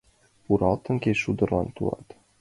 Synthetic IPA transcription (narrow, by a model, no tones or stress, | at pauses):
uɾɑlˠt̪ɤ̆ŋkʲeʃud̪ɤ̆rlˠɑnt̪ulˠɑ̰t̪